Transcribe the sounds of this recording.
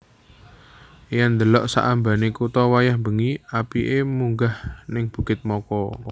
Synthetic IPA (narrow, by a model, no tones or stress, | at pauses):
jand̪əlɔʔsa̰ʔamba̤nekut̪ɔwajahmbəŋiapiʔemuŋɡahnɪŋb̥ṳɡ̥ɪt̪̚mɔkɔ